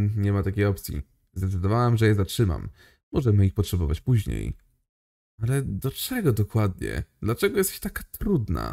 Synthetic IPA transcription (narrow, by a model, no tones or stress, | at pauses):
ɲɛmat̪akʲejɔp̚t̪sʲjḭ | zd̪ɛt̪sɘd̪ɔvawamʐɛjɛzatʂɘma̰mː | ɔʐɛmɘixpɔtʂɛbɔvat͡ɕpuʑɲḛj | alɛd̪ɔt͡ʂɛɡɔd̪ɔkwad̪̚ɲɛ̰d̪lat͡ʂɛɡɔjɛst̪ɛ̥ɕt̪akat̪ɾud̪na̰